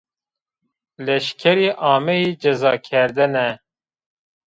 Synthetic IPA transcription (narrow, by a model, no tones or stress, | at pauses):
lɛʃkʰɛɾiːʔɑːmɛjiːd͡ʒɛzɑːkʰɛɾd̪ɨnɛ